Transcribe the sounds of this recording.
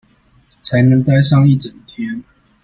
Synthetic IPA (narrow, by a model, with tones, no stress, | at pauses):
t͡sʰa˨˦ɪnə˨˦ŋt̪a˥˧ɪsɑ˥˧ŋi˥˨ʈ͡ʂə˨˩nt̪ʰjɛ˥n